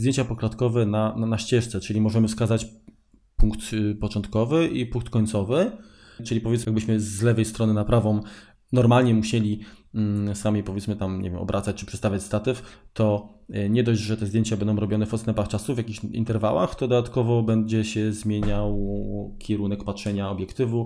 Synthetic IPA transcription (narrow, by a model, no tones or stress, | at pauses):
zd̪jeɲt͡ɕapɔkɾat̪kɔvɛnaanaɕt͡ɕɛʂt̪sɛt͡ʂɘlʲimɔʐɛmɘfskazat͡ɕ | puŋkt̪pɔt͡ʂɔnt̪kɔvɘʔipũŋkt̪kɔɲt̪sɔvɘ | t͡ʂɘlʲipɔvʲjɛt̪sjaɡbɘɕmɘzːlɛvɛjst̪ɾɔnɘnapɾavɔm | nɔɾmalɲɛmuɕɛlʲi | samʲipɔvʲjɛt̪smɘt̪amɲʔɛ̰vʲjɛmɔ̰bɾʔa̰t̪sat͡ɕt͡ʂɘ̥pʂɛst̪avʲjat͡ɕst̪at̪ɛft̪ɔ | ɲɛd̪ɔʑʐɛt̪ɛzd̪jeɲt͡ɕabɛnd̪ɔ̃w̃ɾɔbʲɔnɛfɔt̪st̪ɛmpaxt͡ʂasuvʲjakʲixḭnt̪ɛɾva̰wa̰xt̪ɔd̪ɔd̪at̪kɔvɔbɛɲd͡ʑɛɕɛzmʲjeɲawkʲʰɛɾunɛkpatʂɛɲaɔbʲjɛkt̪ɘvu